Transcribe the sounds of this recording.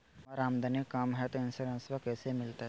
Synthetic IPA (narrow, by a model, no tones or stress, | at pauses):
ɐɾaːmd̪anikːaːmɦɛt̪ɪnsɐɾɐ̃nsʋakɛːsemɪlt̪aɦ